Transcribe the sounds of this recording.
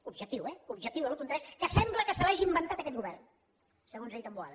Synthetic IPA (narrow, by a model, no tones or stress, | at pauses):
ubʒək̚t̪iwɛubʒək̚t̪iuwðəlˠkunt̪ɾaʃkəsɛmbləkəsəlaʒiːmbənt̪at̪əkɛt̪̚ɡuβɛrn | səɣonzeʎt̪ambua̰ðə